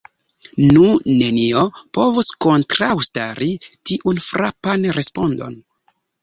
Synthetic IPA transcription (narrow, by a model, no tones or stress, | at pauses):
nune̞niopo̞vusko̞ntɾawstaɾitiʔunfɾapanɾe̞spo̞ndo̞̰n